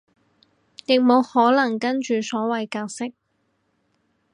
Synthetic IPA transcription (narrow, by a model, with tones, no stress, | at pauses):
jɪ˨k̚mo˨˧whɔː˨˥lɐ˨˩ŋkɐ˥nt͡ʃyː˨sɔː˨˥wɐ˨jkaː˧k̚sɪ˥k̚